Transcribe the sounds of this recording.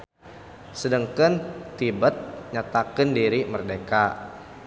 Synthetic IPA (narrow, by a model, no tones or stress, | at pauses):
sədəŋkənt̪ibət̪̚ɲat̪akəndiɾimərdeka